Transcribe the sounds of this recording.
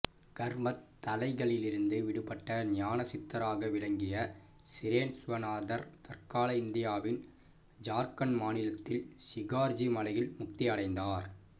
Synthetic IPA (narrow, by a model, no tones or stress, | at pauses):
ɡ̥ɐɾmɐt̪ːɐlɐɪɣɐɭɪlɪɾɯnd̪ɯʋɪɽɯpɐʈːɐnɪjaːnɐsɪt̪ːɐɾaːɣɐʋɪɭɐŋɡɪjɐsɪɾeːnsʊʋɐnaːðɐɾt̪ɐɾkaːlɐɪnd̪ɪjaːʋɪn | d͡ʒaːɾkɐnmaːnɪlɐt̪ːɪlsɪɣaːɾd͡ʒimɐlɐjɪlmʊk̚t̪ɪjɐɽɐɪnd̪aːɾ